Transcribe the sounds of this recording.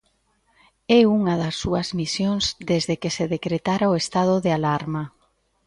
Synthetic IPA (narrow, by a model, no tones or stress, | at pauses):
ɛuŋɐðɐsːuɐzmisjoŋzd̪ezðekeseðekɾet̪aɾaoest̪að̞ʊðealaɾma